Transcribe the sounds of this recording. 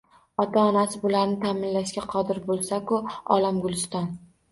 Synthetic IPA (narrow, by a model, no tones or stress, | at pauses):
ɒt̪ʰaɒnasɪbʊlaɾnɪt̪ʰaːmɪnlaʃɡʲaqʰɒd̪ɪɾbolˠsakʊɒ̰lamɡʊlˠɪst̪ɒn